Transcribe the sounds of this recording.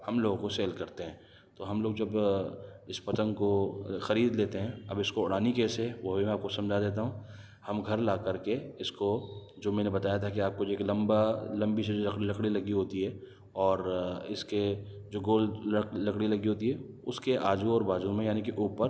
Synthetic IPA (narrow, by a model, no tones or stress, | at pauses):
hɐmloːɡkoseːlkɐɾt̪eɦɛ̃ː | t̪oːɦɐmloːɡ̚d͡ʒɐb | ɪspɐt̪ə̃nkoxɐɾiːd̪leːt̪eɦɛ̃ɐ̰bɪskoʊɽaːnikeːseʋoɦbʱimɛ̃aːp̚kosɐ̃md͡ʒʱad̪eːt̪̬aɦũː | hɐmɡʱɐɾlaːkɐɾkeɪsko | d͡ʒoːmɛ̃ːnebɐt̪aːjat̪ʰakiaːp̚kod͡ʒoeːklɐ̃mbalɐ̃mbised͡ʒlɐkɽilɐkɽilɐɡiɦoːt̪iɦɛː | ɔːɾɪske | d͡ʒoːɡoːllɐkɽilɐɡiɦoːt̪iɦɛː | ʊskeʔaːd͡ʒuɔːɾbaːd͡ʒumẽjaːnikeʔuːpəɾ